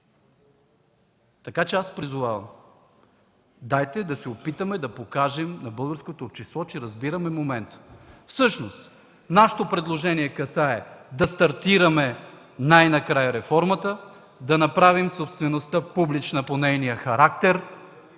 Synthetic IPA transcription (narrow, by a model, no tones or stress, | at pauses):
t̪ɐkat͡ʃɛaspɾizʊvavɐ̰m | d̪ajt̪ɛd̪ɐsɛopit̪əmɛd̪ɐpokaʒɛmnɐbɤlˠɡəɾskot̪oːpt͡ʃislˠɔt͡ʃɛɾɐzbiɾɐmɛmomɛnt̪fsɤʃnost̪ | naʃɛ̥t̪opɾɛd̪lˠoʒɛniɛkɐsaɛd̪ɐst̪ɐɾt̪iɾɐmɛ | najnɐkɾajəɾɛfɔɾmət̪ə | d̪ɐnɐpɾavimsopst̪vɛnost̪apublit͡ʃnɐponɛjnijəxɐɾakt̪ɛɾ